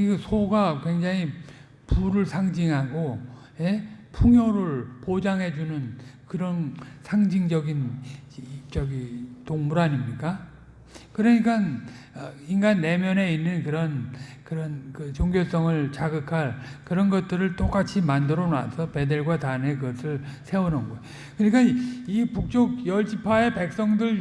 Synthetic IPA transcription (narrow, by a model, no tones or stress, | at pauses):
iɡɯsʰoɡakwe̞ŋd͡ʑaŋi | puɾɯɭsʰaŋd͡ʑiŋɦaɡo | je̞pʰuŋjoɾɯɭpod͡ʑaŋɦe̞d͡ʑunɯnkɯɾʌnsʰaŋd͡ʑiŋd͡ʑʌɡinip̚t͡ɕ͈ʌɡitoŋmuɾaɲimɲik͈a | kɯɾʌɲik͈anʌinɡanːe̞mjʌne̞inːɯnkɯɾʌnkɯɾʌnkɯt͡ɕoŋɡjos͈ʌŋɯɭt͡ɕaɡɯkʰaɭkɯɾʌnɡʌt̚t͈ɯɾɯɭt͈ok͈at͡ɕʰimandɯɾʌna̰sʰʌpe̞de̞ɭɡwatane̞kɯɡʌsʰɯɭsʰe̞onɯnɡoj | kɯɲik̬͈aipuk̚t͡ɕ͈ok̚jʌɭd͡ʑipʰae̞pe̞k̚s͈ʌŋdɯɭ